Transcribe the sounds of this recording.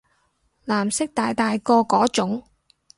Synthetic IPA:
laː˨˩msɪ˥k̚t̪aː˨jt̪aː˨jkɔː˧kɔː˨˥t͡ʃʊ˨˥ŋ

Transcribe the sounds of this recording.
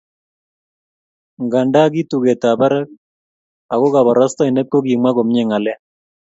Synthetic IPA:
ŋɡa˨nda˦ɡi˦tu˨ɣɛ˨ta˨ba˦ɾɛ˦k̚ | a˨ɣo˦ɣa˨βa˨ɾa˦sta˦i˨nɛ˦kːo˦ɡi˨mwa˦ɣo˨mɲe˦˨ŋa˨lɛ˦

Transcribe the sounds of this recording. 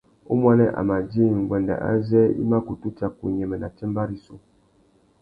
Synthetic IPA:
ṵ˦mwa˦nɛ˦ʔa̰˨ma˨d͡ʒi˦˨ŋ˨ɡwɛ˨nda̰˨ʔa̰˦zɛ˦ḭ˦ma˦ku˨tu˦t͡ʃa˦˨ku˨ɲɛ˨mɛ˨na˨t͡ʃɛ˦mba˦ɾi˦su˨

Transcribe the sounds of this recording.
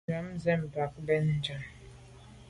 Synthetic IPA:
a˨˦m˦zɛ˦m̩˨ba˨k̚bɛ˦n̩˦d͡ʒa˨m

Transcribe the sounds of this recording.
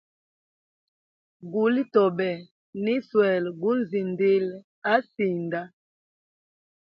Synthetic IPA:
ɡu˨li˦tɔ˨bɛ˨ | ni˦swɛ˨lɡu˦n˦˨zi˨ndi˦l | a˦si˨nda˦

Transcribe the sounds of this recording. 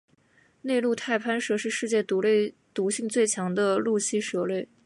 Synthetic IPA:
ne˥˧ɪlu˥˧t̪ʰa˥˩ɪpʰa˥nʂɤ˥ʂɻ̩˥˧ʂɻ̩˥˧t͡ɕjɛ˥˩t̪u˧˥le˥˩ɪ | t̪u˧˥ɕi˥˧ŋt͡swe˥˩ɪt͡ɕʰjɑ˧˥ŋd̪ə˧lu˥˩ɕi˥ʂɤ˧˥le˥˩ɪ

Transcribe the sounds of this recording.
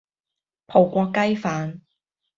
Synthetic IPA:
pʰo˨˩wkʷɔː˧kːɐ˥jfaː˨˧n

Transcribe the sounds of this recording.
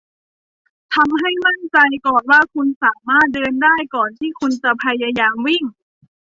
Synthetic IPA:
t̪ʰa˧mɦa˥˩jma˥˩nt͡ɕa˧jkɔː˨˩nwaː˥˩kʰu˧nsaː˩˦maː˥˩t̪̚dɤː˧ndaː˥˩jkɔː˨˩nt̪ʰiː˥˩kʰu˧nt͡ɕa˨˩pʰa˧ja˧jaː˧mwi˥˩ŋ

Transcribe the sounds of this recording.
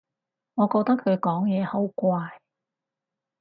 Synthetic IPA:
ŋɔː˨˧kɔː˧t̪ɐ˥kʰːɵ˨˧ɥkɔː˨˥ŋjɛː˨˧ho˨˥wkʷaː˧j

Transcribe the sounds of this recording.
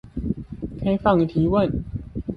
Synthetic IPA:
kʰa˥ɪfɑ˥˨˩ŋi˧˩t̪ʰi˨˥wə˥˨n

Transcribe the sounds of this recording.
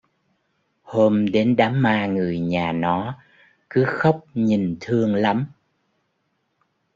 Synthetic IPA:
hoː˧mɗe˨˦nɗaː˨˦mːaː˧ŋɨ˨˩əjɲaː˨˩nɔ˨˦ | kɨ˨˦xə˦˥wk͡p̚ɲi˨˩ŋt̪ʰɨ˧əŋla˨˦m

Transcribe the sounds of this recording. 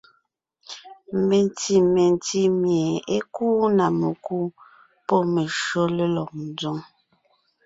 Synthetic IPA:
me˨n˨ti˦me˨n˨ti˦mje˨e˦kuː˦na˨me˨ku˦ | pɔ˦me˨ʃo˦le˦lɔ˨k̚n˨d͡zu˦ŋ

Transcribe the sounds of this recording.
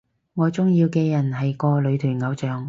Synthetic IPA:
ŋɔː˨˧t͡sʊ˥ŋjiː˧wkeː˧jɐ˨˩nɦɐ˨jkɔː˧lɵ˨˧ɥt̪ʰyː˨˩nŋɐ˨˧wt͡ʃœː˨ŋ

